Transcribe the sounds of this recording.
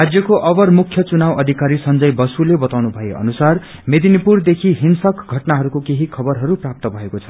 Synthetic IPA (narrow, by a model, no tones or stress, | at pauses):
rad͡zjʌkoʔʌbʌrmukʰːjʌt͡sunawʌd̪ʱikaɾisʌnd͡zʌjbʌsulebʌt̪awnubʱʌeʔʌ̰nusar | med̪ʱinipurd̪ekʰiɦinsʌkɡʱʌʈnaɦʌɾukokeɦikʰʌbʌrɦʌɾuprap̚t̪ʌbʱʌekot͡sʰʌ̥